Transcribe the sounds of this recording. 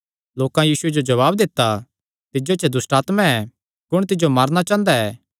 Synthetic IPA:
loːkãjiːsʊed͡ʒod͡ʒɐβaːbd̪ɪt̪ːa | t̪ɪd͡ʒot͡ʃʰɛd̪ʊsʈaːt̪mãɛ | kʊɽ̃t̪ɪd͡ʒomɐɾñat͡ʃãːnd̪aɛː

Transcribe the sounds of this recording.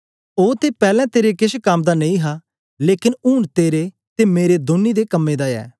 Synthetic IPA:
oːt̪epɛːlɛ̃t̪eːɾekɪʃkaːmd̪anɐ̃ĩɦaː | leːkɪnuːnt̪eːɾe | t̪emeːɾed̪onːid̪eːkəmːeːd̪aːɛ̰ː

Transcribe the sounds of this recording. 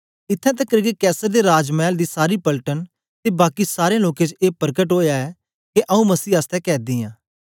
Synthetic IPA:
ɪt̪ʰːɛ̃ːt̪̬ɛkɐɾɡekɛːsəɾd̪eːɾaːd͡ʒmɛːld̪iːsaːɾiːpəlʈən | t̪eːbaːkisaːɾẽloːket͡ʃeːpəɾkəʈɦoːjaɛː | keʔɐũmɐsiːaːst̪ɛːkɛːd̪ɪːjãː

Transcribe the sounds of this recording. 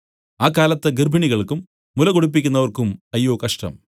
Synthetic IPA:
aːkːaːlɐt̪ːeɡirbʱiɳiɣɐɭkumː | ulɐɣoɽup̬ːikʲːunːɐʋɐrkumɐjːoːkɐʂʈɐ̰m

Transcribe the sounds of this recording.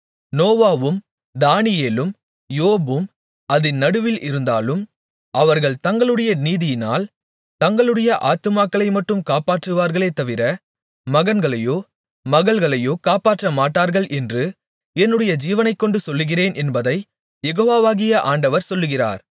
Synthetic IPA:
noːʋaːʋɯm | d̪aːnɪjeːlɯm | joːbɯm | ɐðɪnːɐɽɯʋɪlʔɪɾɯnd̪aːlɯm | ʔɐʋɐɾɣɐɭt̪ɐŋɡɐɭɯɽɐjɐniːðɪjɪna̰ːl | t̪ɐŋɡɐɭɯɽɐjɐʔaːt̪ɯmaːkːɐɭɐɪmɐʈːɯmkaːpaːʈrɯʋaːɾɣɐɭeːt̪ːɐʋɪɾɐ | mɐɣɐnɡɐɭɐjoː | mɐɣɐɭɣɐɭɐjoːkaːpaːʈrɐmaːʈːaːɾɣɐɭʔɛndrɯ | ɛnːɯɽɐjɐd͡ʒiːʋɐnɐɪkːɔɳɖɯsɔlːɯɣɪreːnʔɛnbɐðɐɪ | jɛɣoːʋaːʋaːɣɪjɐʔaːɳɖɐʋɐɾsɔlːɯɣɪra̰ːɾ

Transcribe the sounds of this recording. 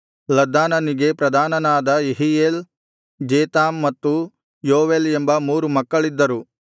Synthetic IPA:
lɐd̪ːaːnɐniɡe̞pɾɐd̪ʱaːnɐnaːd̪ɐeɦieːl | d͡ʒeːt̪aːmːɐt̪ːu | joːʋeːlembɐmuːɾumɐkːɐɭid̪ːɐɾu

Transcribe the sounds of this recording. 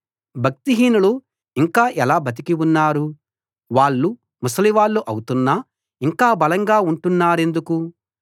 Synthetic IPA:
bʱɐk̚t̪iɦiːnulu | iŋkaːʔɛlaːbʱɐt̪̬ikiunːaːɾu | ʋaːɭːu | musɐliʋaːɭːuʔɐ̰wut̪unːɐ | iŋkaːbɐlɐŋɡaːuɳʈunːaːɾe̞nd̪uku

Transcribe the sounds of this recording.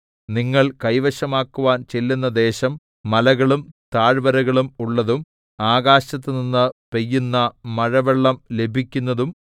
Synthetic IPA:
niŋːɐɭkɐjʋɐɕɐmaːkːuʋaːnt͡ɕelːunːɐd̪e̞ːɕɐmː | ɐlɐɣɐɭumt̪aːɻʋɐɾɐɣɐɭumuɭːɐðum | aːɣaːɕɐt̪ːɨninːɨpe̞jːunːɐmɐɻɐʋeɭːɐmle̞bʱikʲːunːɐðum

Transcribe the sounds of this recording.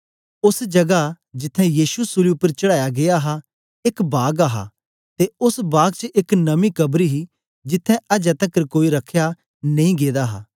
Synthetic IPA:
ʊsd͡ʒɐɡa | d͡ʒɪt̪ʰːɛ̃jiːʃusʊliʊpːəɾt͡ʃɐɽaːjaɡejaɦa | ɪkbaːɡaɦa̰ | t̪eʊsbaːɡt͡ʃəʔɪknɐmikɐbɾiɦi | d͡ʒɪt̪ʰːɛ̃ʔɐd͡ʒɛ̃t̪ɐkəɾkoːiɾɐkʰːja | nɐ̃ĩɡeːd̪aɦa̰ː

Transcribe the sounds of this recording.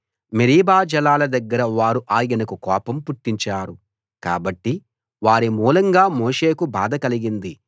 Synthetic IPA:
meɾiːbaːd͡ʒɐlaːlɐd̪ɐɡːɐɾɐʋaːɾuʔaːjɐnɐkukɔːpɐmpuʈːiɲt͡ʃaːɾu | ka̰ːbɐʈːi | ʋaːɾimuːlɐŋɡaːmoːʂe̞ːkubaːd̪ɐkɐliɡind̪i

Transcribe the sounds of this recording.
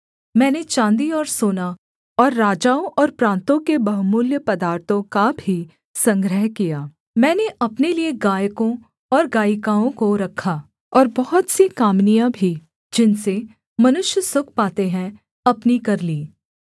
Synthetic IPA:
mɛ̃ːnet͡ʃãːnd̪iɔːɾsoːna | ɔːɾːaːd͡ʒaːõʔɔːɾpɾãːnt̪õkebɐɦʊmʊljəpɐd̪aːɾt̪ʰõkabʱi | sɐ̃ŋɡɾəɦkijaː | mɛ̃ːneʔɐpnelieɡaːjkõ | ɔːɾɡaːjkaːõkoɾɐkʰːaː | ɔːɾbɔɦʊt̪sikaːmnijãbʱi | d͡ʒɪnse | mɐnʊʃjəsʊk̚ʰpaːt̪eɦɛ̃ | ɐpnikɐɾliː

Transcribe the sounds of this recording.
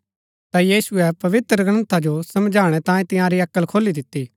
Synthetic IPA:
t̪ajiːsʊɛpɐʋɪt̪ɾəɡñə̃nt̪ʰad͡ʒosɐmd͡ʒʱaːɽ̃ɛt̪ãːẽt̪ɪ̃jãɾiɐkːəlkʰoːlid̪ɪt̪ːi

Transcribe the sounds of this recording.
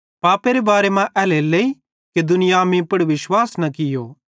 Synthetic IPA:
paːpeɾebaːɾemãʔɛːlelei | ked̪ʊnɪjaːmĩpɐɽʋɪʃwaːsnɐkɪjoː

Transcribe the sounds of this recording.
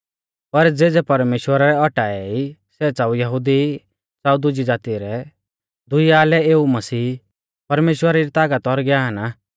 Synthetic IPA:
pɐɾd͡zeːd͡zɛpɐɾmeːʃwəɾaɾɛɔʈaːɛisɛt͡saːujɐɦʊd̪i | t͡saud̪ʊd͡ʒid͡zaːt̪iɾɛ | d̪ʊiaːlɛeːumɐsiː | pɐɾmeːʃwəɾaɾit̪aːɡɐt̪ɔɾɡɛaːana

